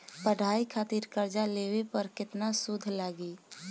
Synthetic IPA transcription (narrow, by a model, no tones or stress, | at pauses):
pəɽ̤ʱaːikʰaːt̪iɾkəɾd͡ʒalewepəɾkɪt̪nasud̪ʱlaːɡi